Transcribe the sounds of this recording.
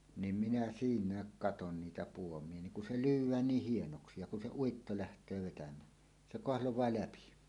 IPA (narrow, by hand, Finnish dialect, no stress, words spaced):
nim minæ siːnˑæːk kɑton niːtæ puomˑie niŋ kun se lyːwˑæːn niːh hienoksi jɑ kun se uitːo læhtˑøː ʋetæmˑæː se koɑhlowˑɑː læpi